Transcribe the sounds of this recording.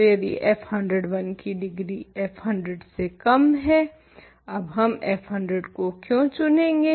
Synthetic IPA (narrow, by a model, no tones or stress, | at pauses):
jɐd̪ḭʔɛːpʰhɐ̃ɳɖɾəɖʋɐnkiɖɪɡɾiɛːpʰɦɐ̃ɳɖɾəɖsekɐmɦɛ | ɐbɦɐmɛpɦɐ̃ɳɖɾəɖkokjõːt͡ʃʊnẽːŋɡeː